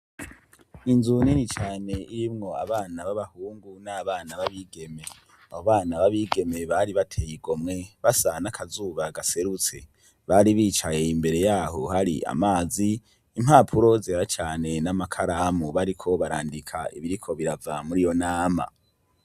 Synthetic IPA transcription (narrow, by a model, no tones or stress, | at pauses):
inzuninit͡ʃaːne̞iɾimŋo̞a̰βaːnaβaβahuːŋɡunaːβaːnaβaβiɡe̞me̞ | ahoβaːnaβaβiɡe̞me̞βaɾiβatʰeːjiɡo̞mŋe̞βasanakʰazuβaɡase̞ɾut͡se̞̰ | βaɾiβiːt͡ʃaje̞imbe̞ɾe̞jaːho̞haɾḭa̰maːziː | mhaːpʰuɾo̞zeɾat͡ʃaːne̞namakʰaɾamuβaɾikʰo̞βaɾa̰ːndikʰa̰ḭβiɾikʰo̞βiɾavamuɾijo̞naːma̰